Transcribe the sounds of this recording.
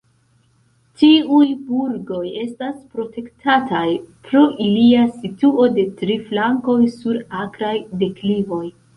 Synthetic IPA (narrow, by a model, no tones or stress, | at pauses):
tiujbuɾɡo̞je̞staspɾo̞te̞ktʰatajpɾoʔiliasituo̞de̞tɾiflaŋko̞jsuɾakɾajde̞klivo̞j